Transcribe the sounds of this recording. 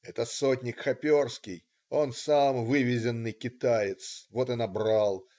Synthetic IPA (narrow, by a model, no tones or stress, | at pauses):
ɛt̪əsotʲnʲɪkxɐpʲo̞rskʲɪj | o̞nsamvɨvʲɪzʲɪnːɨjkʲɪt̪ajɪt̪svo̞t̪ɨnɐbɾalˠ